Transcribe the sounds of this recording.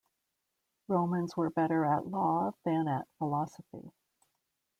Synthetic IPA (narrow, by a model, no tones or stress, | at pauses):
ɹõʊ̃mɨ̃nzwə˞bɛɾə˞əʔlɔðɨ̃nɨtfəlɑsəfḭ